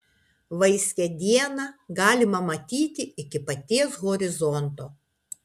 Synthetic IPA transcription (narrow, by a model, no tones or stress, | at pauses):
ʋɐɪsʲkʲɛd̪ʲiɛnɐɡɑːlʲɪmɐmɐt̪ʲiːt̪ʲɪɪkʲɪpɐt̪ʲiɛsɣɔɾʲɪzɔnt̪oː